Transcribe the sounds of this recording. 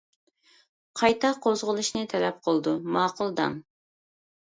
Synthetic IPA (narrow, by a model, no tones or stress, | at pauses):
qʰɑjt̪ʰɑqʰozʁəlˠuʃnɨt̪ʰɛlɛp̚qʰəlˠd̪umɑːqʊlˠd̪ɑ̰m